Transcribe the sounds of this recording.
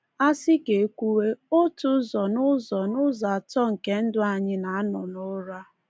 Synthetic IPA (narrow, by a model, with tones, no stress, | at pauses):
a˦sɪ˦ke˨e˦kʷu˦we˦o˦tʊ˦zɔ˨nʊ˦zɔ˨nʊ˦za˨tɔ˦ŋ̩˨ke˦n̩˦dʊ˦a˨ɲɪ˦na˨a˦nʊ˨nʊ˦ɾa˦